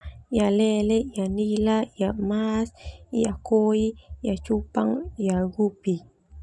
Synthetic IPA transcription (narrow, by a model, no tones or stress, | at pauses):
jalɛlɛjanilajamasiakoijat͡ʃupaŋijaɡupi